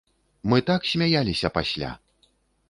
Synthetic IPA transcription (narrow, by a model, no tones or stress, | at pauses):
mɨt̪aksʲmʲajalʲisʲɐpasʲlʲa̰